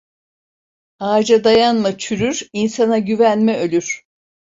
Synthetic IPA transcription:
aːd͡ʒad̪ajanmat͡ʃʰyɾyɾinsanaɟyvænmɛølʲyɾ̥

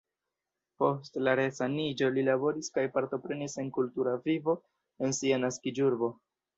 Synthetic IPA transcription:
po̞stlaɾesanid͡ʒo̞lilabo̞ɾiskajpaɾto̞pɾe̞nise̞nkultuɾavivo̞ | e̞nsianaskid͡ʒuɾbo̞

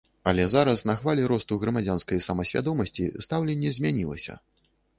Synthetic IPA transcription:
ɐlʲɛzaɾɐsnɐxvalʲɛɾɔst̪uɣɾɐmad͡zʲanskɐjsɐmɐsʲvʲa̰d̪ɔmɐsʲt͡sʲḭst̪awlʲɛnʲːɛzʲmʲanʲilˠɐ̰sʲɐ̰

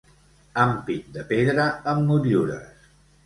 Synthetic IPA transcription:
ampit̪̚d̪əpeðɾəəmːuɾjuɾə̰s

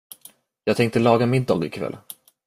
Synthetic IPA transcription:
jɑːɡt̪ʰɛŋkt̪əlɑːɡamɪd̪ɑ̰ːɡɪ̰kʰvɛ̰l

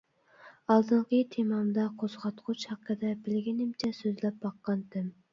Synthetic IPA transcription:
ɑlˠd̪ɨɴqət̪ʰemɑmd̪ɑqʰozʁɑt̪qʰʊt͡ʃhɑqːəd̪ɛbɪlɡʲinɪmt͡ʃʰɛsøzlɛp̚bɑqːɑnt̪ʰɪm

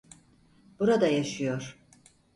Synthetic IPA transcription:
b̥uɾad̪ajaʃɯjo̞ɾ̥

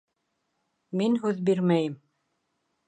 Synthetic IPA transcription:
minɦʉðbiɾmæjɘm

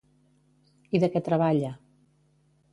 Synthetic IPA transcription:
iðəkɛt̪ɾəβaʎə

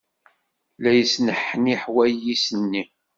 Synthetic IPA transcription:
læjəsnəħːniħwæjːisənːi

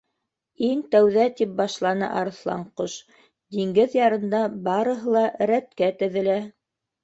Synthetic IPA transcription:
iŋt̪æwðæt̪ip̚bɑʃlˠɑnɤ̰ʔɑɾθlˠɑ̰ɴqoʃ | d̪iŋɡɘðjɑɾɤ̆nd̪ɑbɑɾɤ̆ɦɤlˠɑɾæt̪kæt̪ɘ̆ðɘ̆læ

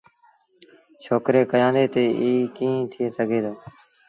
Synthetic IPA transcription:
ʃʰoːkɾeːkəjãːnd̪eːt̪eːʔiːkĩːt̪ʰɪeːsəɡʱeːd̪oː

